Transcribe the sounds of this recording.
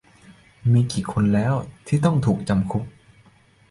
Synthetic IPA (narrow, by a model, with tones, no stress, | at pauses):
miː˧kiː˨˩kʰo˧nlɛː˦˥wt̪ʰiː˥˩t̪ɔ˥˩ŋt̪ʰuː˨˩k̚t͡ɕa˧mkʰu˦˥p̚